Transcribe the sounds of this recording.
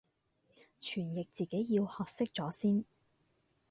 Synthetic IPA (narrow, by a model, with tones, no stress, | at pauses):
t͡ʃʰyː˨˩njɪ˨k̚t͡siː˨˩ke˨˥jːiː˧whɔː˨k̚sɪ˥k̚t͡sɔː˨˥siː˥n